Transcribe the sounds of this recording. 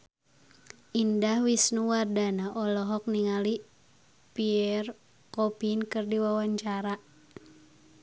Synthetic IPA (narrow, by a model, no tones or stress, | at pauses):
ʔindahwisnuwardanaʔɔlɔɦɔk̚niŋali | piɛr | kɔpinkɨrdiwawaɲt͡ʃaɾa